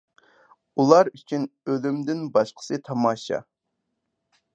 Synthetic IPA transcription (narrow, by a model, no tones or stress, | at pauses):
ulˠɑɾyt͡ʃʰynølymd̪ɪnbɑʃqʰə̥sɨt̪ʰɑmɑːʃɑ̰